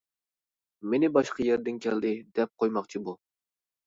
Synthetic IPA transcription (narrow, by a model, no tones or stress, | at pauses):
menɪbɑʃqɑjɛɾd̪ɪnkʲʰɛld̪ɪd̪ɛp̚qʰojmɑqt͡ʃʰibu